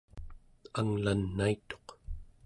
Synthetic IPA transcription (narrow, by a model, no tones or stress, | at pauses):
aŋlanːait̪o̞̥q